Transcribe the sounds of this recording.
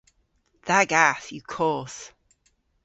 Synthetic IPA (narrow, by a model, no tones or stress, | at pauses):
ðaɡaθjəkʰɔːˑs